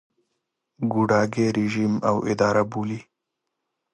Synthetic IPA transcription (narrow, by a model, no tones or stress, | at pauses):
ɡuɖaːɡeɾiʒiːmawɪ̰d̪aːɾabuːli